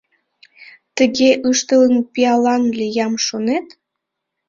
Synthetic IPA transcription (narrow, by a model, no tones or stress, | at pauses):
t̪ə̆ɣeʔɯʃt̪ələnpiɑlɑnlʲejɑmʃonet̪